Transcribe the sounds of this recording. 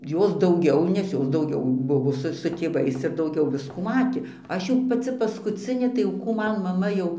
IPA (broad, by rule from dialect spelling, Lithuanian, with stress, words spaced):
ˈjoːs dɐʊˈɡʲɛʊ nʲɛs ˈjoːs dɐʊˈɡʲɛʊ ˈbʊʋoː ˈsʊ sʊ tʲeːˈʋɐɪs ɪr dɐʊˈɡʲɛʊ ˈʋʲɪskuː ˈmɑːtʲeː ˈɐʃ jɛʊ pɐˈt͡sʲɪ pɐskʊˈt͡sʲɪnʲeː tɐɪ jɛʊ ˈkuː ˈmɐn mɐˈmɐ jɛʊ